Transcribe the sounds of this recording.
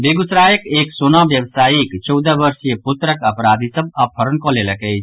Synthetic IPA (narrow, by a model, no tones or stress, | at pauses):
beɡut̪ɾaːjəkeːksoːnaʋjəʋsaːikt͡ʃəʊd̪əʋəɾsjəpʊt̪ɾəkəpɾaːd̪ʱisəb̚apʰəɾənkoleləkəj